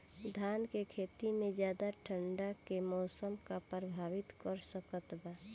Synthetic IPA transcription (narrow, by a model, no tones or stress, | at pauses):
d̪ʱaːnkekʰeːt̪imẽd͡ʒjaːd̪aʈʰəɳɖakemɔːsəmkapɾəbʱaːwɪt̪kəɾsəkət̪ba